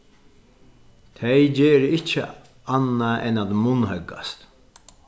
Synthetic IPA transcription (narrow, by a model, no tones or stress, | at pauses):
t̪ʰɛjd͡ʒeːɾəɪt͡ʃːə̰ | anːaɛnat̪mʊnɦœɡa̰st̪